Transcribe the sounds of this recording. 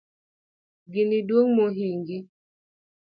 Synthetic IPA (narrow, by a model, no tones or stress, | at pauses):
ɡinidoŋmoɦiŋɡi